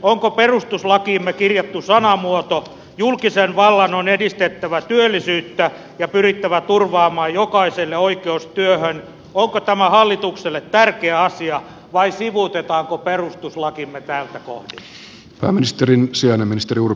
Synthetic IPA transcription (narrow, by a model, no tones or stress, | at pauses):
oŋkoperust̪uslɑkiːmːekirjɑt̪ːusɑnɑmuot̪o | julkisenʋɑlːɑnonedist̪et̪ːæʋæt̪yølːisyːt̪ːæ | jɑpyrit̪ːæʋæt̪urʋɑːmɑːjjokɑiselːeoikeust̪yøhøn | oŋkot̪æmæhɑlːit̪ukselːet̪tærkeæɑsiɑ | ʋɑisiʋut̪et̪ɑːŋkoperust̪uslɑkimːet̪ælt̪æko̰hdi | pæ̰ːminist̪eɾinsiɑneminist̪eɾiur